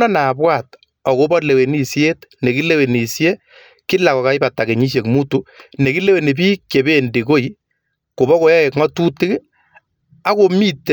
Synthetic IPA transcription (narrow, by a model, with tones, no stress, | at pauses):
ɔ˦na˨bwa˨t̚ | ɔ˨ko˦bɔ˦le˨we˨ni˨sje˦tne˨ki˦le˦we˨ni˨sje˦ | kɪ˦la˨kɔ˨ka˨ɪ˦ba˨ta˨ke˨ɲi˦s̬je˨kmu˦tu˦ne˨ki˦le˦we˨ne˨bi˦ke˨be˦ndi˨ko˦i˨ | ko˨βɔ˦ko˨˦ja˦ɛ˨kŋɔ˦tu˦tɪ˦k | a˦ko˨mi˦t